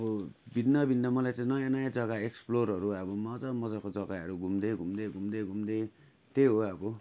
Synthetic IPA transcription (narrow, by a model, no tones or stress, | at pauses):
ʌbʌ | bid̪nʌbʱind̪amʌlajt͡sãĩnʌjãnʌjãd͡zʌɡaeksploɾʌɾuabʌmʌd͡zamʌd͡zakod͡zʌɡaɦʌɾuɡʱumd̪eɡʱumd̪eɡʱumd̪eɡʱumd̪e | t̪eɦoabʌ